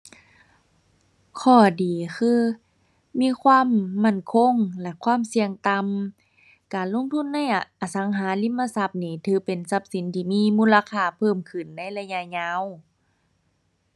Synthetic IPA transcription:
kʰɔː˧˩diː˨˩xʰɯː˧ | miː˧˥˨kʰwaː˧˥˨mːa˧˥˩nkʰo˧˥˨ŋlɛ˧˩kʰwaː˧˥˨msi˧əŋt̪a˧m | kaː˨˩nlo˧˥˨ŋt̪ʰu˧˥˨nːa˧˥˨jʔʔa˨˩sa˨˦ŋɦaː˨˦li˧˥˨mːa˧˨sa˧p̚niː˧˩t̪ʰɯː˧˦pe˨˩nsa˧˦p̚si˨˦nt̪ʰiː˧miː˧˥˨muː˧˥˨la˧kʰaː˧˩pʰɤː˧˩mkʰɯ˧˩nːa˧˥˩jla˧ɲa˧ɲaː˧˥˨w

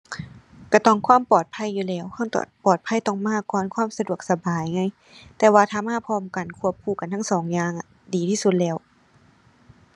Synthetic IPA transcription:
ka˧˩t̪ɔ˧˩˨ŋkʰwaː˧˥˨mpɔː˨˩t̪̚pʰa˧˥˨jːuː˧lɛː˧˩˨wkʰɔ˧˥˨ŋt̪ːpɔː˨˩t̪̚pʰa˧˥˨jt̪ɔ˧˩ŋmaː˧˥˨kɔː˧˨nkʰwaː˧˥˨msa˧du˨˩ək̚sa˧baː˨˩jŋa˧˥j | t̪ɛː˧waː˧t̪ʰaː˧˩˨maː˧˥˨pʰɔː˧˥˨mka˨nkʰu˧˩əp̚kʰuː˧˩ka˨nt̪ʰa˥˨ŋsɔː˨˦ŋjaː˧˩ŋʔa˧˩ | diː˨t̪ʰiː˧˩su˧t̪̚lɛː˧˩˨w

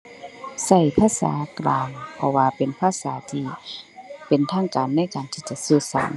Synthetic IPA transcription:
sa˧˩jpʰaː˧˥˨sa̰ː˩˦klaː˨˧ŋpʰɔ˧waː˧pe˨npʰaː˧˥˨saː˩˦t̪ʰiː˧ | pe˨nt̪ʰaː˧˥˩ŋkaː˨nːa˧˥˨jkaː˨nt̪ʰiː˧˩t͡ɕa˧˦ʔsɯː˧˩sa̰˨˩˦ŋ

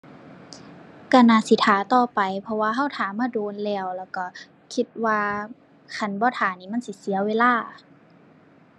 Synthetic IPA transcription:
ka˧˩naː˧˨si˧˦t̪ʰaː˨˦t̪ɔː˧pa˨jpʰɔ˧waː˧ɦa˧˥˩wt̪ʰaː˨˦maː˧˥˨doː˨˧˦nlɛː˧˩wlɛː˧˩wka˧˩ | kʰi˧t̪̚waː˧ | kʰa˧˩nbɔː˧˦t̪ʰaː˨˦niː˧˦ma˧˥˨nsi˧˦si˨˦ɐweː˧˨laː˧˥˩

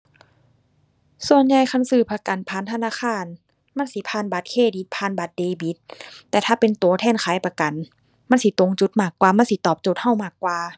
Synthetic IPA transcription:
su˧ənɲa˧jkʰa˧˥˨nsɯː˧˩pʰa˧ka˨npʰaː˨˧˦nt̪ʰa˧naː˧˥˨xʰaː˧˥˨n | ma˧˥˨nsi˧˦pʰaː˧˥˨nba˧˦t̪̚kʰeː˧˥˩di˧˦t̪̚pʰaː˧˨nba˧˦t̪̚deː˧˦bi˧˦t̪ːɛː˧t̪ʰaː˧˩pe˨nt̪u˨˦ɐt̪ʰɛː˧˥˨nkʰaː˨˦jpa˧ka˨n | ma˧˥˨nsi˧˦t̪o˧˦ŋt͡ɕu˧˦t̪̚maː˧˩kːwaː˧ma˧˥˨nsi˧˦t̪ɔː˨˩p̚t͡ɕo˧˦t̪̚ha˧˥˩wmaː˧˩kːwaː˧

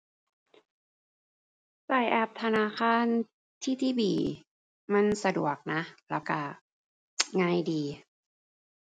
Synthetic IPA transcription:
saː˨˩jʔɛ˧˩p̚t̪ʰa˧naː˧˥˨xʰaː˧˥˨n | t̪ʰiː˥˩t̪ʰiː˥˩biː˨˩ | ma˧˥˨nsa˧du˨˩ək̚na˦˥lɛː˧˥˩wka˧˩ | ŋaː˧˩˨jdiː˨˧

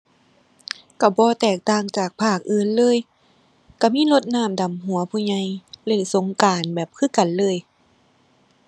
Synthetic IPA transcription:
ka˧˩bɔː˧˦t̪ɛː˨˩k̚t̪aː˧˩ŋt͡ɕaː˨˩k̚pʰaː˧˥˩k̚ʔɯː˧˩nlɤː˧˥˨j | ka˧˩miː˧˥˨lo˧˥t̪̚naː˧˥˩mda˨˩mɦu˨˩˦ɐpʰuː˧˨ɲa˧˥jle˧˩ŋso˨˧˦ŋkaː˨˩nbɛː˨˩p̚kʰɯː˧˥˨ka˨nlɤː˧˥˨j

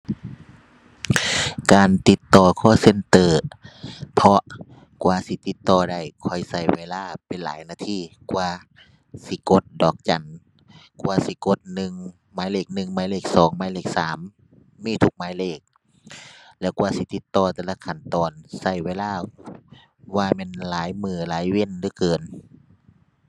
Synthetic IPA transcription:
kaː˨nt̪i˧˦t̪ːɔː˧kʰɔː˧˩se˧˥˨nt̪ɤː˧˩ | pʰɔ˧ | kwaː˧si˧˦t̪i˧˦t̪ːɔː˧˩da˧˩jkʰɔ˧˩jsa˧˩jweː˧˨laː˧˥˨pe˨nla̰ː˨˦jnaː˧˩t̪ʰiː˧˩kwaː˧ | si˧˦ko˧˦t̪̚dɔː˨˩k̚t͡ɕa˨˩n | kwaː˧si˧˦ko˧˦t̪̚nɯ˨˧ŋ | maː˨˦jleː˧˩k̚nɯ˨ŋmaː˨˦jleː˧˩k̚sɔː˨˦ŋmaː˨˦jleː˧˩k̚saː˨˦mː | iː˧˨t̪ʰu˧k̚maː˨˦jleː˧˩k̚ | lɛ˧˩wkwaː˧si˧˦t̪i˧˦t̪ːɔː˧t̪ɛː˧˩la˧kʰa˧˩˨nt̪ɔː˨˩nsa˧˩jweː˧˥˨laː˧˥˨ | waː˧˩mɛː˧˥˨nlaː˨˦jmɯː˧˩laː˨˦jwe˧˥˨nlɯː˧˨kɤː˨˩n

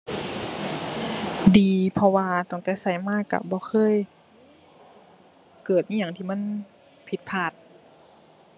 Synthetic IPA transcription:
diː˨pʰɔ˧waː˧t̪ɔ˧˩ŋt̪ɛ˧˩sa˧˩jmaː˧˥˨ka̰˧˩bɔː˧˦xʰɤː˧˥˨j | kɤː˨˩t̪̚ɲiː˧˥˨ɲa˧˨ŋt̪ʰiː˧˨ma˧˥˨n | pʰi˧˦t̪̚pʰaː˧˩t̪̚

